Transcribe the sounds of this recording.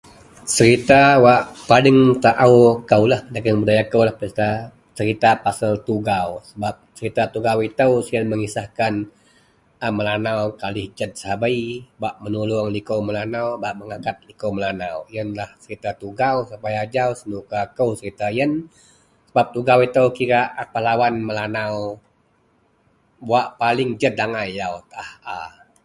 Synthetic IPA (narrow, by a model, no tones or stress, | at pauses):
səɾit̪awaʔpalɪŋt̪aʔawkəwlahdaɡəŋbudajakəwlahpit̪a | səɾit̪apasəlt̪uɡawsəbap̚səɾit̪at̪uɡawit̪əwsiənməŋisahkan | əməlanawkalɪhd͡ʒət̪̚sabaibaʔmənulʊaŋlikəwməlanawbaʔməŋakat̪̚likəwməlanawjənlahsəɾit̪at̪uɡawsəpajad͡ʒausənukakəwsəɾit̪ajən | səbap̚t̪uɡawit̪əwkiɾaʔpəlawanməlanaw | buaʔpalɪŋd͡ʒədaŋajawt̪ʔaha